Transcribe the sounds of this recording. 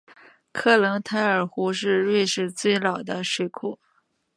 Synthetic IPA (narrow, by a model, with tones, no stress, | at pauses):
kʰɤ˥˩lɤ˧˥ŋt̪ʰa˧˥ɪə˞˨˩xu˧˥ʂɻ̩˥˧ɻwe˥˧ʂɻ̩˥˧t͡swe˥˩ɪlɑ˨˩ʊd̪ə˦ʂwe˥˩ɪkʰu˥˩